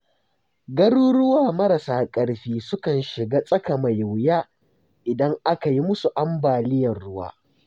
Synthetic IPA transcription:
ɡɐ˦ɽuː˦ɽʊ˦waː˨mɐ˦ɾa˨saː˦kʼɐ˦ɽɸiː˦sʊ˦kɐ˨nʃɪ˨ɡaː˦sʼɐ˦ka˨ma˨jʊ˨wjaː˦ | ʔɪ˨dɐ˦ŋʔa˦ka˨ji˦mʊ˦su˨ʔa˦mbaː˨lɪ˦jɐ˨rɽʊ˦wa̰ː˦

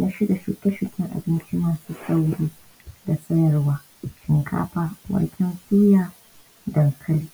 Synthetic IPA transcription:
nʔa˦ʃi˦da˨ʃu˨kʲɛ˦ʃu˨kʲɪ˦ŋʔa̰˨bɪ˦nt͡ʃi˦maː˨suː˦sa˦wɽiː˦ | da˨sɐ˦jɐ˨rwaː˦ | ʃɪ˨ŋkʰa̰ː˦ɸa˨wɐ̰˦ɽkʲʰɛ˦nsuː˦jaː˦ | dɐ˨ŋkʰɐ˦liː˨

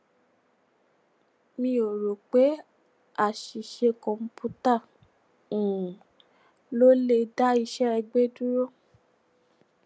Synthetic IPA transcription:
mĩ˧˦o˨ɾo˨k͡pe˨˦ | a˦˨ʃi˨ʃe˧kɔ̃˨m̩˨˦pʰu˦ta˦˨ | ũ˨ | lo˦le˧da˦i˧˦ʃɛ˦ɾɛ˧ɡ͡be˦du˦ɾo˦˨

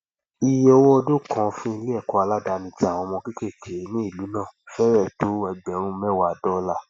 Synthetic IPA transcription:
i˨jɔ˧wɔ˦ɔ˧do˦kʰã˨fĩ˦i˧le˦ɛ˦˨kɔ˧a˧la˦da˧nĩ˧ti˦a˨w̃ɔ̃˧mɔ̃˧ki˦ke˦˨kʰe˨e˨˦nĩ˦i˦˨lu˨˦nãː˦˨fɛ˦ɾɛ˦˨to˨˦ɛ˧ɡ͡bɛ˨ɾũ˦mɛ̃˦wa˦˨dɔ˦la˦˨

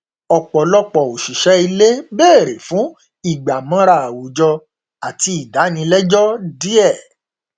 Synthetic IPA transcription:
ɔ˨k͡pɔ˨lɔ˧k͡pɔ˨o˨ʃi˨ʃɛ˨˦i˧le˦beː˦˨ɾe˨fũ˨˦ | i˦˨ɡ͡ba˨mɔ̃˧˦ɾa˦˨a˨wu˨d͡ʒɔ˧ | a˨ti˧i˨da˨˦nĩ˧lɛ˦d͡ʒɔ˦di˦ɛ˦˨

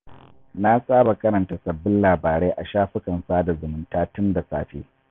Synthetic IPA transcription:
na˦sʼaː˦ba˨kɐ˦ɾɐ˨nta˨sɐ˨bːɪ˦nlaː˨baː˨ɾeː˦ʔa˨ʃaː˦ɸɪ˦kɐ˨nsaː˦da˨zʊ˨mʊ˨ntaː˦tʊ˦nda˨sa̰ː˦ɸḛː˦

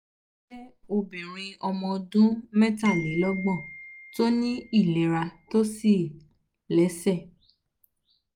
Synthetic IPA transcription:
e˦o˧bɛ̃˨ɾ̃ĩ˧ɔ˧mɔ̃˧dũ˦mɛ̃˦tã˦˨le˨˦lɔ˦ɡ͡bɔ̃˦˨to˦nĩ˦i˦˨lɛ˨ɾa˧to˦si˦˨ | lɛ˨˦sɛ˦˨

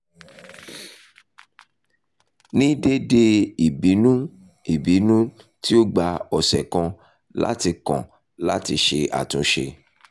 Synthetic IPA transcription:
nĩ˦de˦de˧i˨bi˨˦nũ˦ | i˨bi˨˦nũ˦ | ti˦o˦ɡ͡ba˧ɔ˨sɛ˨kɔ̃˧ | la̰˦ti˧kɔ̰̃˨ | la̰˦ti˧ʃe˧a̰˨tũ˨˦ʃḛ˧

